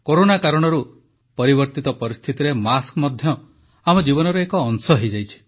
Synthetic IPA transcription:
koɾonakaɾɔɽ̃ɔɾu | pɔɾiβbɔɾt̪it̪ɔpɔɾist̪ʰit̪iɾemaskmɔd̪ʱjɔ | amɔd͡ʒibɔnɔɾɔekɔːŋsɔɦejd͡ʒajt͡ʃʰi̥

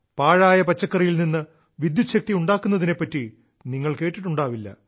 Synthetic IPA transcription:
paːɻaːjɐpɐt͡ɕːɐkːɐrɐjilninːɨ | ʋid̪juɕɐk̚t̪iuɳɖaːkːunːɐðine̞pːɐtːi | niŋːɐɭke̞ːʈːiʈːuɳɖaːʋilːɐ̰

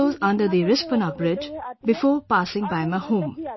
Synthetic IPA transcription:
ozʌ̃ndəɾd̪iɾɪspənabɾɪd͡ʒbifɔːpasɪ̃ŋbajmɐhum

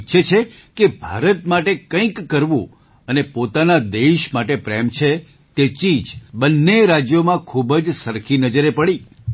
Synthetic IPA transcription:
ʃʰet͡ʃʰe | kebʱa̰ɾət̪maʈekə̃ĩkːəɾʋṵ̃ | ənepot̪anad̪eʃmaʈepɾemt͡ʃʰe | t̪et͡ʃid͡ʒbənːeɾad͡ʒjomãkʰubəd͡ʒsəɾkʰinəd͡ʒəɾepəɽi

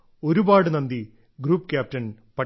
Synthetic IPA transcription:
o̞ɾubaːɽɨnɐnd̪i | ɡɾuːpːkʲjaːp̚tɐnpɐ

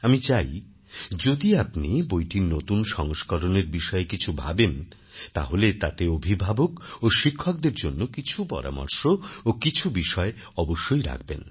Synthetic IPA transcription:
amit͡ɕaj | d͡ʑod̪iapnibojʈiɾnot̪unʃɔŋʃkɔɾoneɾbiʃɔekit͡ɕʰubʱa̰ben | t̪a̰ɦolet̪at̪eobʱibʱabokoʃikʰːɔk̚d̪eɾd͡ʑonːokit͡ɕʰupɔ̰ɾa̰mɔ̰ɾʃookit͡ɕʰubiʃɔe | ɔboʃːojɾa̰k̚ʰbḛn

